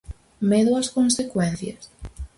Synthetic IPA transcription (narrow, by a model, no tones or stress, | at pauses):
meðoɐskõnsekwɛn̟θjɐs